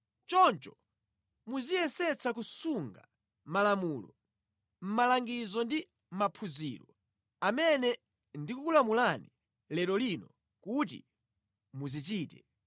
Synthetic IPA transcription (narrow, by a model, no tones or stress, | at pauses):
t͡ʃɔnt͡ʃɔ | muzijɛsɛt͡sʰakusuŋɡa | malamuːlɔ̰ | m̩malaŋɡizɔndi | m̩mapʰuzḭːlɔ | amɛnɛ | ndikukulamulani | lɛɾɔlinɔ | kut̬ḭ | muzit͡ʃiːtɛ